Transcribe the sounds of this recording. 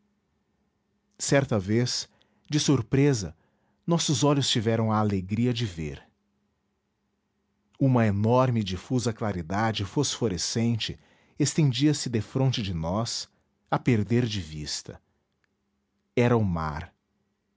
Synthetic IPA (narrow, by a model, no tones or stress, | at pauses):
sɛɾt̪ɐves | d͡ʒɪsuɾpɾezɐ̰ | nɔsʊzɔʎʊst͡ʃivɛɾɐ̃w̃ɐːleɡɾiɐd͡ʒɪvḛɾ | ũmɐenɔɾmɪd͡ʒifuzɐklaɾid̪ad͡ʒɪfosfoɾesẽnt͡ʃɪ | est̪ẽnd͡ʒiɐsɪd̪efɾõnt͡ʃɪd͡ʒɪnɔs | ɐpeɾd̪eɾd͡ʒɪvist̪ɐ̰ | ɛɾɐʊma̰ɾ